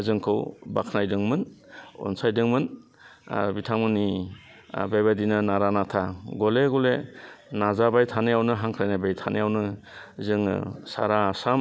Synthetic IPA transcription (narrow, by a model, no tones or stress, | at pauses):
zɯŋkʰɯwbakʰnajdɯŋmɯnɔ̰nsajdɯŋmɯn | bitʰaŋmɯni | bajbadinɯnaɾanatʰaɡɔleɡɔlenazabajtʰanejawnɯɦaŋkʰɾajnabajtʰanejawnɯ | zɯŋ̰sa̰ɾaːsam